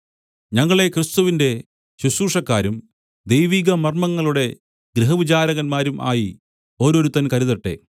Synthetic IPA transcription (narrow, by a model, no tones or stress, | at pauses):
ɲɐŋːɐɭe̞krɨst̪uʋinde̞ | ɕuɕuːʂɐkːaːɾum | d̪ejʋiːɣɐmɐrmɐŋːɐɭuɽe̞ | ɡɾiɦɐʋit͡ɕaːɾɐɣɐnmaːɾumʔa̰ːji | o̞ːɾoɾut̪ːɐnkɐɾiðɐʈːe̞̰